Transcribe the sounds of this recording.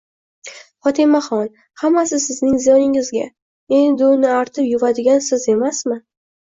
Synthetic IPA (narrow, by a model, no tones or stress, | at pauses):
χɒt̪ʰɪmaχɒn | hamːasɪsɪznɪŋzijɒnɪŋɪzɡʲa̰ | e̞nd̪ɪʊnɪaɾt̪ʰɪpjʊvad̪ɪɡʲansɪze̞masmɪ